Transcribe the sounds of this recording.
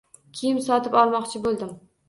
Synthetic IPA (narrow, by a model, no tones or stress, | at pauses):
kʲʰijɪmsɒt̪ɪpɒlˠmɒqt͡ʃʰɪbolˠd̪ɪm